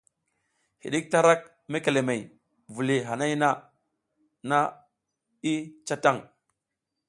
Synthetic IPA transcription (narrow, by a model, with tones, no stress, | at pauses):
hḭ˨ɗi˦k̚ta˦ɾa˦k̚ | me˦ke˨le˨me˨j | vu˨li˨ɦa˨na˦jna˦ | na˦ | i˦t͡ʃa˦ta˦˨ŋ